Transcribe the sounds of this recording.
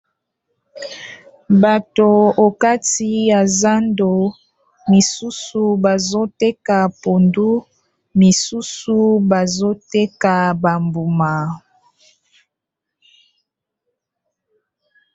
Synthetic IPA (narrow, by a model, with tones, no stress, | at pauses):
ba˨to˨o˨ka˦ti˦ja˨za˦ndo˨ | mi˨su˦su˨ba˨zo˦te˦ka˨po˨ndu˦ | mi˨su˦su˦ba˨zo˦te˦ka˨ba˨mbu˨ma˨